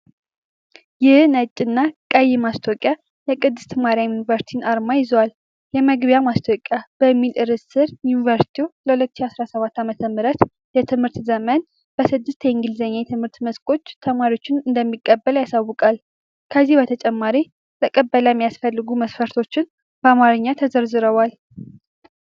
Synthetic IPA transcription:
jɪhnət͡ʃʼɨnːakʼajːɪmast̪ʰokʼja | jɛkʼɨd̪ːɨst̪ʰmaɾjajunivəɾsi̥t̪ʰinaɾmajɪzəwal | jɛməɡbjamast̪ʰokʼjab̥əmːilɨɾɨzsɨɾjunvəɾsi̥t̪ʰioləhulət̪ːɨ̥ʃiasɾasəβat̪ːamət̪ʰəmɨɾət̪ | jɛt̪ʰɨmhɨɾt̪zəmən | b̥əsɨd̪ːɨst̪ʰjɛɪŋɡɨlzəɲːajt̪ʰɨmhɨɾt̪məskʼo̞t͡ʃːt̪ʰəmaɾiot͡ʃːɪnɨnd̪əmːikʼːəbːəlajasawːʊkʼal | kʰəzːihbət̪ʰət͡ʃʼɛmːaɾi | ləkʼəbːələjmːijasfəlːɨɡuməsfəɾt̪ʰo̞t͡ʃːɪn | b̥əamaɾɨɲːat̪ʰəzəɾzɨɾəwal

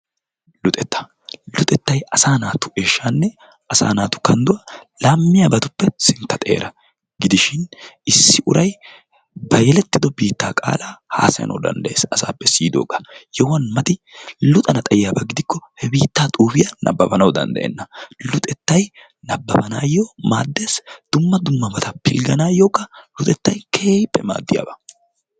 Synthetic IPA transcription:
lʊt̪ʼɛt̪ːɐ̥ | lʊt̪ʼɛt̪ːɐjɐsaːnaːt̪ʊ̥ʔeːʃːanːɛ | ʔɐsa̰ːnaːt̪ʊ̥kɐnd̪ʊwɐlamːɪjɐbɐt̪ʊpːɛsɪnt̪ːɐt̪ʼe̞̰ːɾɐ | ɡɪd̪ɪʃɪnɪsːɪʔʊɾɐj | bɐjɛlɛt̪ːɪd̪ɔbiːt̪ːaːkʼa̰ːlaha̰ːsɐjɐ̰nɐ̰wd̪ɐ̰nd̪ɐʔeːsɐsa̰ːpːɛsiːd̪o̰ːɡɐjɛwɐnmɐt̪ɪlʊt̪ʼɐnɐt̪ʼɐjɪjaːbɐɡɪd̪ɪkːɔhɛbiːt̪ːaːt̪ʼuːfɪjɐnʔɐ̰bːɐbɐnɐwd̪ɐ̰nd̪ɐ̰ʔɛ̰nːɐlʊt̪ʼɛt̪ːɐj | nɐbːɐbɐnaːjːoːmaːd̪ːeːsd̪̥ʊmːɐd̪ʊmːɐbɐt̪ɐpɪ̰lɡɐnaːjoːkʼːɐlʊt̪ʼɛt̪ːɐjkʰeːpːɛma̰ːd̪ːɪja̰ːbɐ

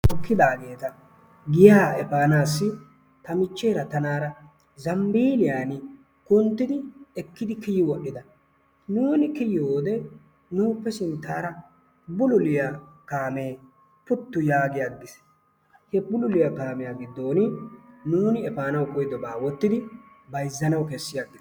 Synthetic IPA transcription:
ʔɔkːɪd̪aːɡe̞ːt̪ɐ | ɡɪjaːɛfaːnaːsːɪ | t̪ɐmɪt͡ʃːeːɾɐt̪ɐnaːɾɐ | zɐmbiːlɪjaːnɪ | kʊnt̪ːɪd̪ɪɛkːɪd̪ɪkɪjɪwɔɗːɪd̪ɐ | nuːnɪkɪjɪhoːd̪ɛ | nuːpːɛsɪnt̪ːaːɾɐ | bʊlʊlɪjakaːme̞ː | pʊt̪ːʊjaːɡɪjaɡɪs | hɛbʊlʊlɪjakaːmɪjaːɡɪd̪ːo̞ːnɪnuːnɪɛfaːnɐwkʼɔjd̪ɔbaːwɔt̪ːɪd̪ɪ | bɐjzːɐnɐwkɛsːɪjaɡːɪd̪

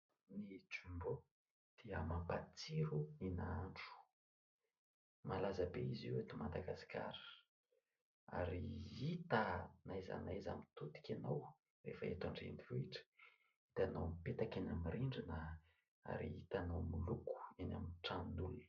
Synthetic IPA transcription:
nit͡sumbo | d̪̥iəmampat͡siɾuninaaɳʈ͡ʂu̥ | malazabeiziwet̪imand̪aɡasi̥ka̰ɾə̥ | a̰ɾiit̪anajza̰najza̰mit̪ut̪i̥kʲanaw | refaet̪aɳɖ͡ʐḛnd̪ivoiʈ͡ʂə̥ | it̪anawmipet̪akanamiriɳɖ͡ʐina | a̰ɾiit̪anawmuluku̥enʲa̰minʈ͡ʂannuli̥

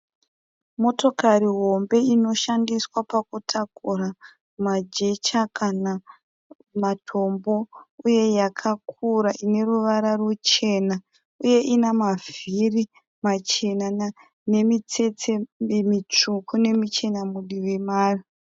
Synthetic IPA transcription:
mo̞to̞kariɦo̞mbe̞ino̞ʃandiswapak̚utʰakura | mad͡ʒe̞t͡ʃakʰana | matʰo̞mbo̞uje̞jakʰak̚ʰuɾaʔine̞ruʋaɾarut͡ʃe̞na | uje̞ʔinamaviri | mat͡ʃe̞na | ne̞mit͡se̞t͡semit͡ʂukʰune̞mit͡ʃe̞namuɗiʋemaːri

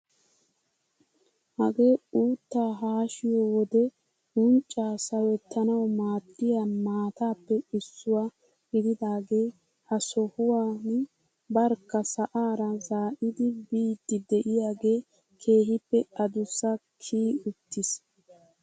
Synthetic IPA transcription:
hɐɡe̞ːuːt̪ːaːɦaːʃɪjɔwɔd̪ɛ | ʊnt͡ʃʼːaːsɐwɛt̪ːɐnɐwmaːt̪ʰʼːɪjamaːt̪aːpːɛɪsːʊwa | ɡɪd̪ɪd̪aːɡe̞ː | hɐsɔhʊwan | bɐɾkːɐsɐʔaːɾɐzaːʔɪd̪ɪbiːd̪ːɪd̪ɛʔɪjaːɡe̞ː | kʰe̞ːɦɪpːɛɐd̪ʊsɐkʰiːʊt̪ːɪs

